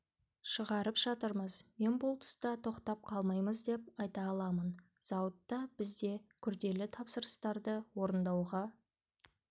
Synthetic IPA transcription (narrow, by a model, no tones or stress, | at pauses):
ʃəʁɑɾəpʒ̥ɑt̪əɾməzme̞nbʊlˠt̪ʰʊ̥st̪ɑt̪ʰo̞qt̪ɑp̚qʰɑlˠmɑjməzd̪e̞p̚ɑjt̪ɑːlˠɑmənz̥ɑwət̪ːɑbɪzd̪e̞kʲʰʏɾd̪e̞lɪt̪ʰɑpsəɾəst̪ɑɾd̪əwo̞ɾənd̪ɑwʁɑ